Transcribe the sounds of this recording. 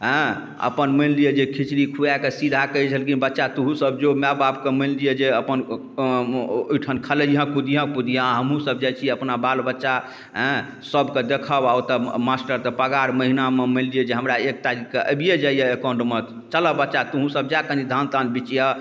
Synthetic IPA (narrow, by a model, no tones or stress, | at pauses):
ɦə̃ | ə̰pənmənlijəd͡ʒekʰit͡ʃɾikʰujakesid̪ʱakəit͡ʃʰəlkinbətːʃat̪uɦũsəb̚d͡ʒomababkeməllijəd͡ʒeəpən | ojʈʰənkʰələɦə̃kud̪ijãkud̪ʱijãɦəmɦũsəbd͡ʒajt͡ʃʰiəpnabalbətːʃa | ɦɛ̃ | səbʱked̪ekʰəbaot̪əmasʈəɾt̪ɔpəɡaɽməɦinameməllijed͡ʒeɦəmɾaek̚t̪aɾikːeʔə̰bʱijed͡ʒaijəekaɳɖmət̪ | t͡ʃələbətːʃat̪uɦũsəb̚d͡ʒakə̃nid̪ʱant̪anbit͡ʃija